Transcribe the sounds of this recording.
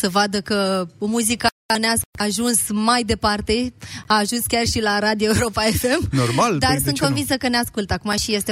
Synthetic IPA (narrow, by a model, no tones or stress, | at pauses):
səvad̪əkəomuzikə | aneasaʒunsmajd̪e̞part̪e̞aːʒunskʲarʃilaɾad̪ijoeuɾo̞paefe̞mnormald̪arsunt̪konvinsəkəneaskult̪akumaʃije̞st̪e